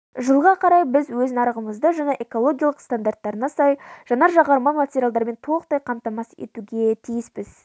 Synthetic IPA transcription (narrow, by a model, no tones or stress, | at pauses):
ʒəlˠʁɑqʰɑɾɑjbɪzwɵznɑɾəʁəməzd̪əʒɑnɑʔe̞kolˠo̞ɡʲijalˠəqst̪and̪aɾrt̪ːɑɾənɑsɑjʒ̥ɑnɑʒɑʁɑɾmɑmatʲeɾjalˠd̪ɑɾme̞nt̪ʰolˠq̚t̪ɑjqʰɑmt̪ɑmɑsḛt̪uɡʲe̞t̪ʰijɪsbɪz